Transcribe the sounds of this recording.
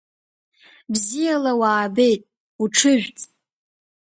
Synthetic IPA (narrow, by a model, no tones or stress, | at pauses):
bzijalawaːbe̞jtʼ | uʈ͡ʂʰɨʒᶣt͡sʼ